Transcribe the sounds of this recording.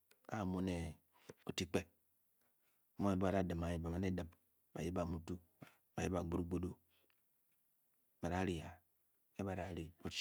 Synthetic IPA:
a̰˦˨mo˦ne˨ | o˨ti˦k͡pe˦˨ | mo˦ne˦ba˨ɾa˦˨dɨ˨ma˨i˦ba˨ma˨ne˦dɨ˦m | ba˨ji˦ba˨mu˨tu˦ | ba˨ji˦ba˨ɡ͡bu˦ɾu˦ɡ͡bo˦do˦ | ba˨ɾa˦ɾi˨a˨ | e˦ba˨ɾa˦˨ɾi˨o˦t͡ʃ

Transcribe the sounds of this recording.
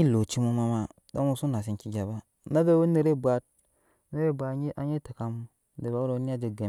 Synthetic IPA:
i˦lo˨t͡ʃi˦mu˦ma˦ma˦ | do˦mu˨su˦na˨s̬i˦nki˦ɡʲa˨ba˦ | na˦be˦wu˦ni˨ɾe˦bʷa˨t̚ | na˦ɾe˦˨bʷa˨˦a̰˦ɲe˦ta˨ka˨m˦ | de˨ba˨˦wu˦ɾo˨˦ni˦a˦d͡ʒe˨ɡa˨

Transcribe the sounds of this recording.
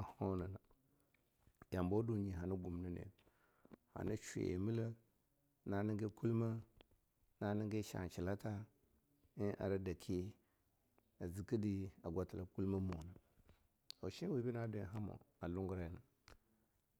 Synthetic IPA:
a˨ho˦na˨na˨ | ja˨mbo˦du˨ɲi˨ɦa˨na˦ɡu˨mnə˦nḛ˨ | ha̰˨na˦t͡ʃḛ˨ḛ˨mi˦la˦ | na˨ni˦ŋɡe˦ku˦lma˦ | na˨ni˦ŋɡe˦ʃa̰˨n˨t͡ʃi˨la˦ta˦ | i˦ʔa̰˨ɾa˦da˨kʰi˦ | a˨zi˨kə˦di˦a˨ɡʷa˨ti˨la˨ku˦lma˦mo˨na˨ | a̰˨ʃi˦wi˦bi˦na˦do˨jɦa˦mo̰˨a˨lu˦ŋɡu˦ɾa˦ja˨na˨

